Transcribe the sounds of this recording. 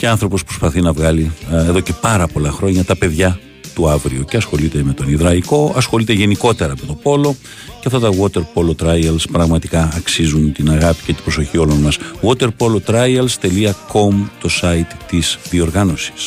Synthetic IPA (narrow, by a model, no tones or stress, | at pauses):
ceɐnθɾo̞pospɾo̞spɐθinɐvɣɐlie̞ðo̞ce̞pɐɾɐpo̞lɐxɾo̞ɲɐt̪ɐpe̞ðʝɐ | t̪uɐvɾioceɐsxo̞lit̪e̞me̞t̪o̞niðɾɐiko̞ɐsxo̞lit̪e̞ʝe̞niko̞t̪e̞ɾɐmet̪o̞po̞lo̞ | ceɐft̪ɐt̪ɐɣwot̪e̞ɾpo̞lot̪ɾɐjɐlspɾɐɣmɐt̪ikɐːksizunt̪inɐɣɐpi̥ce̞t̪ibɾo̞so̞çio̞lo̞nmɐsɣwot̪e̞ɾpo̞lot̪ɾɐjɐlst̪e̞liɐko̞mt̪o̞sɐit̪t̪isðio̞ɾɣɐno̞si̥s